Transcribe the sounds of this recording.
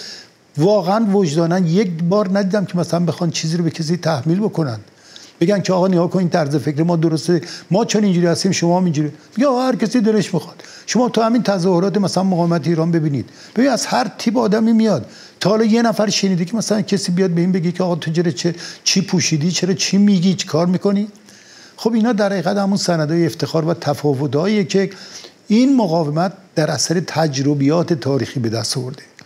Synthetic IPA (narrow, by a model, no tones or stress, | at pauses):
vɒːɣeænvod͡ʒd̪ɒːnænd̪jekbɒːɾnæd̪iːd̪æmcʰe̞mæsælænbexɒːnd̪t͡ʃʰiːziːɾoecʰes̬iːt̪ʰæhmiːlbokonæ̰nd̪̥ | be̞ɡæncʰeɒːɣɒːneɡɒːkʰoniːnt̪ʰæɾze̞fekɾemɒːd̪oɾost̪eemɒːt͡ʃʰonind͡ʒuːɾiːhæst̪iːmʃomɒːhæmind͡ʒuɾimeɡeːɣɒhæɾkæsiːd̪eleʃmixɒd̪̥ | ʃomɒːt̪ʰuhæmint̪ʰæzɒːhoɾɒːt̪̬emæsælænmoɣɒːvemæt̪ʰeiːɾɒːnbe̞biːnid̪̥ | b̥ebiniæzhæɾt̪ʰiːpɒːd̪æmiːmijɒd̪̥ːʰ | ɒhɒlɒːjenæfæɾʃeniːd̪ekʰemæsælænkʰesiːbijɒd̪̚beinbeɡikʰeɒːɣɒːt̪ʰod͡ʒeɾet͡ʃʰet͡ʃʰiːpʰuʃiːd̪iːt͡ʃʰeɾɒːt͡ʃʰimiɡiːt͡ʃʰi̥kʰɒːɾmiko̞ni | xobinhɒːd̪æɾhæɣiːɣæd̪hæmunsænæd̪ɒːjeeft̪e̞xɒːɾvæt̪ʰæfɒːvot̪ɒːiːjekʰe | inmoɣɒːvemæt̪̚d̪̥æɾʔæsæɾet̪ʰæd͡ʒɾobijɒːt̪ʰet̪ʰɒːɾiːxiːbe̞d̪æst̪ɒɔvoɾd̪e